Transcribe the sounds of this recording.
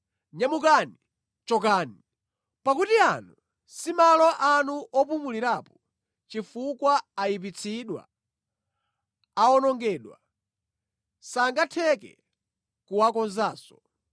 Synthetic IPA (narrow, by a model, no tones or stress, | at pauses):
ɲamukani | t͡ʃɔk̬aːni | pakutianu | simalɔʔanuʔɔp̬umuliɾaːpɔ | t͡ʃifukwaːjip̬it͡sʰiɗwa̰ | aɔnɔŋɡɛːɗwa̰ | saŋɡatʰɛkɛ̰ | kuwakɔnzaːsɔ